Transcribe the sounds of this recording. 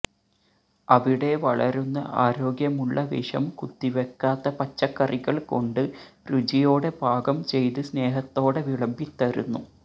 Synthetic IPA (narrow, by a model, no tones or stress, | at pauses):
ɐʋiɽe̞ʋɐɭɐɾunːɐ̰ʔaːɾo̞ːɡjɐmuɭːɐʋḭʂɐ̰mkut̪ːiʋekːaːt̪ːɐpɐt͡ɕːɐkːɐriɣɐɭko̞ɳɖɨrud͡ʑijoːɽe̞bʱaːɡɐmt͡ɕe̞jt̪ɨsne̞ːɦɐt̪ːo̞ːɽeʋiɭɐmbit̪ːɐɾṵnːu